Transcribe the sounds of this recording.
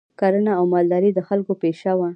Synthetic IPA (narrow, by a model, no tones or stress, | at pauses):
kaɾənaːwmɑld̪ɑɾid̪əxalkopeʃawa